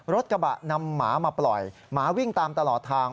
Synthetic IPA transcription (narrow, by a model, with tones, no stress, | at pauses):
ɾo˦˥t̪̚ka˧ba̰˨˩ʔna˧mːa̰ː˩˦maː˧plɔ˨˩j | maː˩˦wi˥˩ŋt̪aː˧mt̪a˧lɔː˨˩t̪ʰːaː˧ŋ